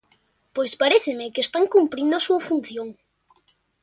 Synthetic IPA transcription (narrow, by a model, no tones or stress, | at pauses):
pojspaɾeθɪmɪkeest̪aŋkumpɾind̪ʊasuɐfun̟θjoŋ